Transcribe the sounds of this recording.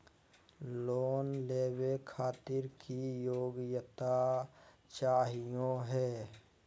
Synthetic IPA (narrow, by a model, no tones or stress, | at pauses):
loːnleːwekʰaːt̪ɪɾkijoːɡjət̪a | t͡ʃaːɦijõɦɛː